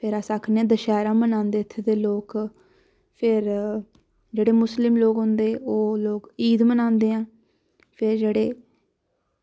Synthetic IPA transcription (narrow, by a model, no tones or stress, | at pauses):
pʰɪɾaːsaːkʰnẽːd̪əʃɛːɾãːmənãːnd̪eːɪt̪ʰːed̪eːloːk | pʰɪɾ | d͡ʒeːɽeːmʊslɪmloːkɦʊ̃nd̪eːoːloːkiːd̪mənãːnd̪eːãː | pʰɪɾd͡ʒeːɽeː